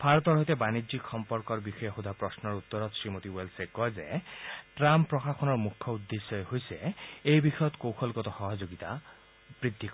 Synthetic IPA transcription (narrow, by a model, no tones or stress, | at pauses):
bʰʱaɾɔt̪ɔɾɦɔɦjt̪ebanid͡ʒikxɔmpɔɾkɔɾbixɔjeɦud̪ʱapɾɔsnɔɾut̪ːɔɾɔt̪sɾimot̪iwelsekɔd͡ʒeʈɾamppːɾɔxaxʰɔnɔɾmukʰjɔud̪ːesːɔeɦojseejbixɔjɔt̪kowxʰɔlɡɔt̪ɔxɔɦɔd͡ʒoɡit̪a̰ | bɾid̪ʱːik